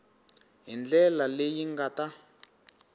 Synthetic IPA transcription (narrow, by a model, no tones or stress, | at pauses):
ɦind͡ɮɛlalejiŋɡata